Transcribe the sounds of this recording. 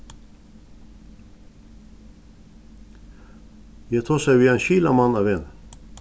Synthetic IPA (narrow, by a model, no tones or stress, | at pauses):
jæt̪ʰuːsæɪʋiːeːnçiːlɑmɑnɑːʋeːn